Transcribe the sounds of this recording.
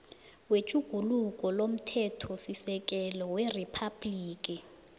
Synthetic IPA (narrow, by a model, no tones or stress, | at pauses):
wet͡ʃʼuɡ̥ʱulukʼɔlom̩tʰɛtʰɔsisɛk̬ʼɛlɔweripʰab̥liːkʼi